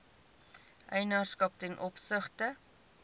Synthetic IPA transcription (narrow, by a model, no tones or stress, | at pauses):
ʔɛjnɑːrskɐp̚tɛnʔɔpsəχtə